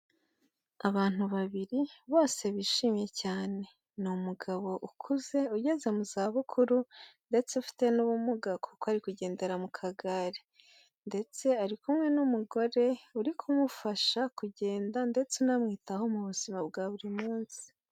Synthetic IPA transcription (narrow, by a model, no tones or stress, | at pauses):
aβaːn̥uβaβiɾiβo̞ːse̞βiʃimje̞caːne̞ | numuɡaβo̞ʔukʰuze̞uɟe̞ze̞muzaːβukʰuɾunde̞t͡seufi̥te̞nuβumuɡakʰu̥koaɾikuɟe̞ːnde̞ɾamukʰaɡaɾi | nde̞t͡se̞aɾikumŋe̞numuɡo̞ɾe̞uɾikʰumufaʃakuɟe̞ːndande̞t͡senamŋiːtaho̞muβuz̥imab̚ɡaːβuɾimuːnsi̥